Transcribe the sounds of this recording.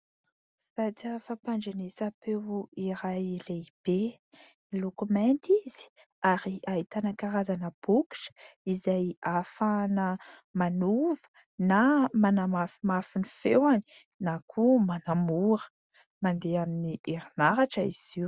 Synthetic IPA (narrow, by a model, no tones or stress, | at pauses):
sat͡siafapaɳd͡ʒanesapewiɾajleib̥e | lukumɛnt̪izi̥ | aɾiait̪anəkaɾazanəb̥uki̥ʃə̥izajafanə | manuvə̥ | namanamafimafinifewani̥ | nakʰumanamuɾə̥ | mand̪eaminieɾinaɾaʈ͡ʂəiz̥iw